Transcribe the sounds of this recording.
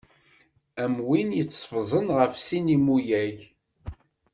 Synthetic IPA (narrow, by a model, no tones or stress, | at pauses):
æmwinjət͡sːfzˤənʁəfsinimujæʝ